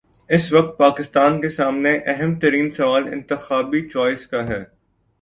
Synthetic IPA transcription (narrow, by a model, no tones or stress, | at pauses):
ɪsʋɐk̚t̪̚paːkɪst̪aːnkesaːmneʔɛɦɛmt̪ɐɾiːnsɐʋaːlɪ̰̃nt̪ɪxaːbit͡ʃɔːɪskaɦɛː